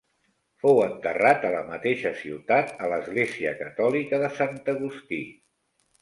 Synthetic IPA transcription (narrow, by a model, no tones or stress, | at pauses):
fowənt̪ərat̪ələmət̪eʃəsiwt̪at̪̚ələzɣleziə̰kət̪ɔlikəðəsant̪əɣust̪i